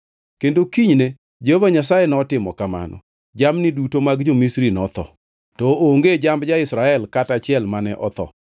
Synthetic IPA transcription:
kendokiɲne | d͡ʒehovaɲasajenɔtɪmɔ̰kama̰nɔ̰ | d͡ʒamnɪdutomaɡd͡ʒomisɾinɔt̪ɔ̰ | tɔoŋɡed͡ʒambd͡ʒaɪsɾaɛlkatat͡ʃɪɛlmanɛʔɔt̪ɔ̰

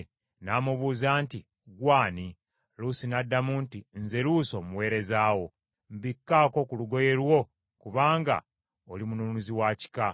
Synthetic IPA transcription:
naːmuβuːzaːnti | ɡwaːni | lusinadːamuntinze̞luso̞muwe̞ːɾe̞zaːwo̞ | m̩bikːaːko̞kuluɡo̞je̞lwo̞ | kuβaːŋɡa̰ | olimununuziwaːci̥ka

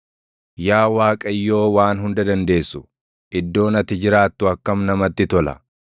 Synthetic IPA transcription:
jaːwaːkʼɐɪjːo̞ːwaːnɦʊnd̪ɐd̪ɐnd̪e̞ːsːʊ | ʔɪd̪ːo̞ːnɐt̪ːɪd͡ʒɪɾaːt̪ːʊɐkːɐmnɐmɐt̪ːɪt̪ɔlɐ̰

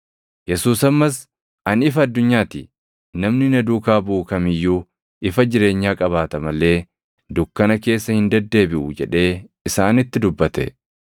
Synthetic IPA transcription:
jɛsuːsɐmːɐs | ɐnɪfɐːd̪ːʊɲːaːt̪ḭ | nɐmnɪnɐd̪uːkaːbuːkɐmɪjːuː | ʔɪfɐd͡ʒɪɾe̞ːɲːaːkʼɐβaːt̪ɐmɐlːe̞ː | d̪ʊkːɐnɐke̞ːsːɐhɪnd̪ɐd̪ːe̞ːbɪʔʊd͡ʒɛᶑe̞ːɪsaːnɪt̪ːɪd̪ʊbːɐt̪ɛ̰

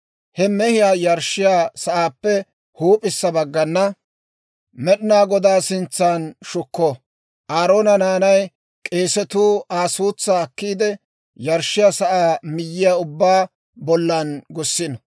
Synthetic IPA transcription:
hɛmɛhɪjaːjɐɾʃɪjaːsɐʔaːpːɛ | huːpʼɪsːɐbɐɡːɐnːɐ | mɛɗɪnaːɡɔd̪aːsɪnt͡sːaːnʃʊkːɔ | ʔaːɾo̞ːnɐnaːnɐj | kʼe̞ːsɛt̪uːaːsuːt͡sːaːkːiːd̪ɛ | jɐɾʃɪjaːsɐʔaːmɪjːɪjaʊbːaː | bɔlːɐnɡʊsːɪn

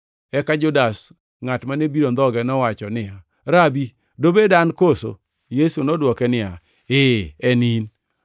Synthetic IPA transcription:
ɛkad͡ʒʊdas | ŋatmanebiɾond̪ɔɡɛnɔwat͡ʃɔnɪa | ɾabi | dobedankoso̰ | jesunɔdwɔkɛnɪja | eɛnin

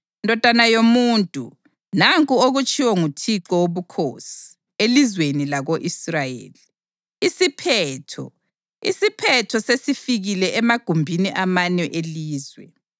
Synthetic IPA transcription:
ndʱɔd̥ʱanajomuːntʼṵ | naŋkʼuoɣut͡ʃʼiwɔŋutʰiǁɔwoβukʰo̰si̥ | elizwenilaɣoʔisrajḛːli | isipʰɛtʰɔ̰ | ḭsipʰɛtʰɔsesifiɣilɛʔɛmaɡ̥ʱumbʱiniʔamaɲɛʔeliːzwɛ

